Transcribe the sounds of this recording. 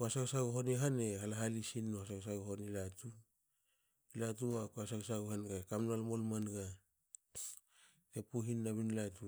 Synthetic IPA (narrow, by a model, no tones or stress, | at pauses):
koasaksaɡoɦoneɦanehalaɦalisinːohasakas̬aɡoɦonilatu | ilatuβakoasakasaɡohanɡakamnalmolmanɡa | epuɦinːaβinlatu